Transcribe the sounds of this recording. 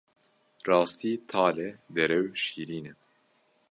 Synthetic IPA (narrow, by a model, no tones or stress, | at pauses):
rɑːst̪iːt̪ʰɑːlɛd̪ɛɾɛwʃiːɾiːnɛ